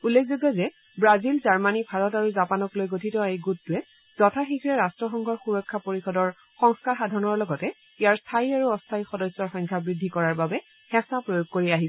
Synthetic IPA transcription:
ulːekʰzoɡazɛ | bɹazilzaɹmanibʱaɹɔtaɹuzapanɔklojɡotʰitɔejɡuttuɛ | z̥ɔtʰaxikʰɹɛɹastɹɔxɔŋɡʱɔɹxuɹɔkʰːapoɹixɔdɔɹ | xɔŋskaɹxadʱaɹɔnɔɹlɔɡɔtɛ | ijaɹstʰaiaɹuɔstʰaixɔdɔsːɔɹxɔjŋkʰjabɹidʱːikɔɹaɹbabɛ | hɛ̃sapɹojoɡ̚koɹiaɦi

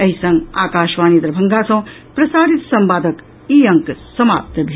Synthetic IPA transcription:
ɐɦisɐ̃ŋɡa̰ːkaːʃʋaːnid̪ɾɐbʱɐŋɡaːsɐ̃ː | pɾɐsaːɾit̪sɐmbaːd̪ɐk | iːɐ̃ŋksɐma̰ːp̚t̪ɐbʱi

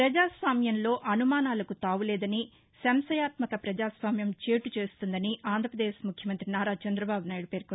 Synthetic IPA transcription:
pɾɐd͡ʒaːsʋaːmjɐnlo̞ːʔɐnumaːnaːlɐkut̪aːʋulɛːd̪ɐni | sɐmsɐjaːt̪mɐkɐpɾɐd͡ʒaːsʋaːmjɐmt͡ʃe̞ːʈut͡ʃe̞ːst̪und̪ɐniaːnd̪ʱɾɐpɾɐd̪eːʃmukʰjɐmɐnt̪ɾinaːɾaːt͡ʃɛnd̪ɾɐbaːbunaːjɽupeːɾko

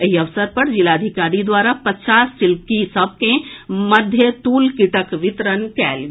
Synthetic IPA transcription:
əɦiəʋsəɾpəɾd͡ʒilad̪ʱikaɾid̪waɾapət͡ʃasːilpkisəb̚ʱkeməd̪ʱjət̪ulkiʈəkʋɪt̪ɾənkɛːlɡe

